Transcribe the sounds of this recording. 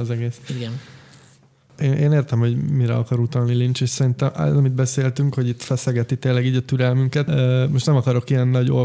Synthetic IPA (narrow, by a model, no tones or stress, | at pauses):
zɛɡeːsiɡɛn | eːnʔeːneːrt̪ɛmho̞ɟmiɾɛ̰ɒkɒɾut̪ɒlnilint͡ʃeːʃsɛɾint̪ɛmɛ̰zɒmid̪̚bɛseːlt̪yŋkho̞ɟit̪fɛsɛɡɛt̪it̪eːlːɛɡiːɟɒt̪yɾɛlmyŋkɛt̪ːmoʃt̪nɛmɒkɒɾo̞kiɛnːɒɟo